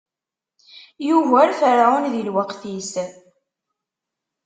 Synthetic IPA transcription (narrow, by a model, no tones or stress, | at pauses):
juvæɾfəɾaunðilwəqθis